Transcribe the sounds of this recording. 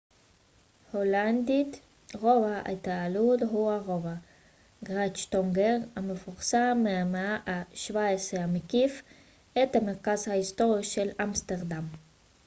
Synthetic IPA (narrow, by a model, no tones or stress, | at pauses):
holand̪it̪ | ʁo̞vaa̰t̪aːludɦuaʁova | ɡʁat͡ʃt̪oŋɡeʁamefuʁsammːeameaʔaʃvaesʁehamekif | ʔet̪hame̞ʁkazhaist̪o̞ʁiʃelamst̪eʁd̪am